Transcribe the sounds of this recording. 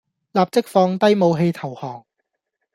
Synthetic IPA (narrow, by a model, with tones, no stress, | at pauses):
laː˨p̚t͡sɪ˥k̚fɔː˧ŋt̪ɐ˥jmo˨˧wɦe˧jt̪ʰɐ˨˩whɔː˨˩ŋ